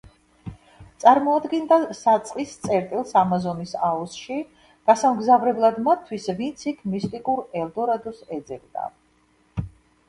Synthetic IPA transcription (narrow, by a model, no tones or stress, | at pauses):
t̪sʼaɾmɔad̪ɡɛnd̪asat̪sʼqʼist̪sʼɛɾt̪ʼilˠsamazɔnisaɔsʃi | ɡ̥asamɡzavɾɛblˠad̪mat̪ʰːwisvint̪sʰikʰmist̪ʼikʼuɾɛlˠd̪ɔɾad̪ɔsɛd̪zɛvd̪a̰